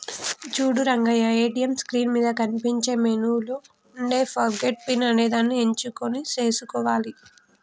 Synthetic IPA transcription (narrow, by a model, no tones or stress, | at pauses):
d͡ʒuːɽuɾɐŋɡɐjɐeːʈijɐmskɾiːnmiːd̪ɐkɐnipiɲt͡ʃe̞ːmenuːlo | uɳɖeːfɐɾɡeʈ̚pinɐne̞ːd̪aːnːie̞ɲt͡ʃukonit͡ʃeːsukɔːʋaːli